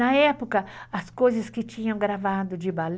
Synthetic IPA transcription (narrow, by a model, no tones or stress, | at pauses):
ɐɛpʊkɐɐskojzɐskɪt͡ʃĩɲɐ̃w̃ɡɾavad̪ʊd͡ʒɪbal